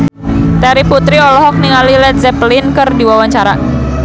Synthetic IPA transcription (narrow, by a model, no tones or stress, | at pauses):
t̪aɾiput̪ɾiɔlɔɦɔk̚niŋalilɛt̪̚zɛplinkɨrdiwawaɲt͡ʃaɾa